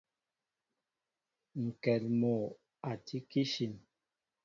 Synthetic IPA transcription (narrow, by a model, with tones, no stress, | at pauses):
ŋ̩˨kɛ˨lmɔ˨ | a˨tʰi˦ki˦ʃi˨m